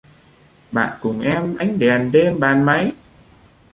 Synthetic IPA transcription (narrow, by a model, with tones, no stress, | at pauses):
ɓa̰ː˧˨nkʊ˨˩ŋ͡mʔɛ˧mʔa˧jŋ̟ɗɛ˨˩nɗe˧mɓaː˨˩nma˨˦j